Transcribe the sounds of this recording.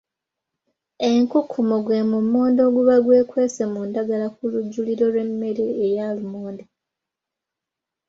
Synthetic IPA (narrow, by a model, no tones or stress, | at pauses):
e̞ŋkukʰːumoɡwe̞mumːo̞ːndo̞ɡuβaɡwe̞ːkwe̞ːsemundaɡalakuluɟːuliɾo̞lwe̞mːe̞ɾeːjaːlumoːnde